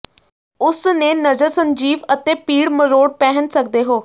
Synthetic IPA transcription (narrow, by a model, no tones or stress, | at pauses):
ʊsneːnəzəɾsəɲd͡ʒiːʋət̪eːpiːɽməɾoːɽ̚pɛːɦənsək̚d̪eːɦoː